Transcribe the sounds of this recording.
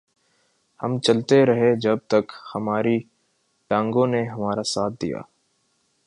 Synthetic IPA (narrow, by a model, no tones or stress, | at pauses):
hɐ̰mt͡ʃɐlt̪eɾɐɦed͡ʒɐb̚t̪ɐkhɐmaːɾi | ʈãːŋɡõneɦɐmaːɾasaːt̪̚ʰd̪ḭja̰ː